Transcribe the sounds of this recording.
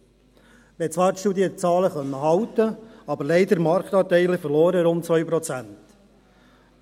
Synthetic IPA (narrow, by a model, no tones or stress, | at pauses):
ʋɛt͡sʋɑːɾtʃtuːd̪iət͡sɑːləχœnːəɦɑwt̪əɑbəɾleɪd̪əɾmɑɾkt̪ɑːtɛɪlɪfəɾloːɾəɾʊntt͡sʋœʏpɾɔt͡sænt̪